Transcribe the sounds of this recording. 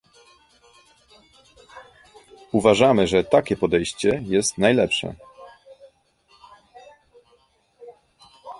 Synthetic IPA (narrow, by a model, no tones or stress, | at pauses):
uvaʐamɘʐɛt̪akʲɛpɔd̪ɛjɕt͡ɕɛjɛst̪najlɛpʂɛ̰